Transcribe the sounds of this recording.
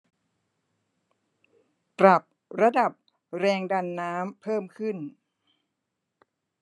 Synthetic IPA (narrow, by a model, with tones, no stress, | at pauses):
pɾa˨˩p̚ | ɾa˧da˨˩p̚ | ɾɛː˧ŋda˧nːaː˦˥mpʰɤː˥˩mkʰɯ˥˩n